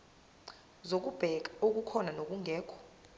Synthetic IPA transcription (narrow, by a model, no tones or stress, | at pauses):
zok̬ʼub̥ʱɛk̬aok̬ukʰɔnanok̬ʼuŋʱɛːkʰɔ̥